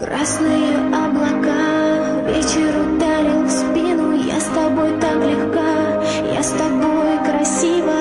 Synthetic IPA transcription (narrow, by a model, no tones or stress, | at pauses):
krasnɨjə | ɐblˠɐka | vʲet͡ɕɪɾʊd̪aɾʲɪlˠfspʲinʊja̰st̪ɐbo̞jt̪aklʲɪxka | ja̰st̪ɐbojkɾɐsʲivə